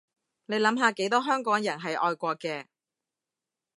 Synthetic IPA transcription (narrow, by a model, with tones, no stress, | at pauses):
ne˨˧jlɐ˨˥mɦaː˧ke˨˥jt̪ɔː˥ɦœː˥ŋkɔː˨˥ŋjɐ˨˩nɦɐ˨jʔɔː˧jkʷɔː˧kɛː˧